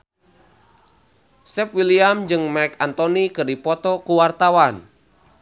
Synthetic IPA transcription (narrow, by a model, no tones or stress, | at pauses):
sɛpwiliamd͡ʒɨŋmɛkant̪ɔnikɨrdipɔt̪ɔkuwart̪awan